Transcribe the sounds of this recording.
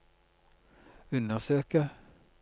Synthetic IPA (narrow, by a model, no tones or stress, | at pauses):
ʉnd̪əʁsøːkə